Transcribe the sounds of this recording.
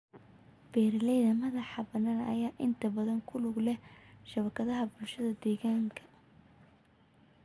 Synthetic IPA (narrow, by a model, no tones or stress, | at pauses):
b̥ɛːɾlɛjðɐmɐðɑħɑbɐnaːnɐ̰jaːʔɪnt̪ʰɐbɐðɐŋkʰʊlʊɡlɛʃɐβɐkʰɐðɐɦɐbʊlʃɐðɐd̪ɛːɣaːŋkʰɐ̥